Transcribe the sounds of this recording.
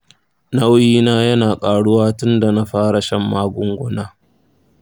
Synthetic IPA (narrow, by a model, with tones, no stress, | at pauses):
nɐ˦wjiː˦naː˦jɐ˦naː˨kʼaː˨ɽʊ˦waː˦tʊ˦nda˨na˦ɸaː˦ɽa˨ʃɐ˦mːaː˦ɡʷʊ˦ŋɡʷʊ˦naː˦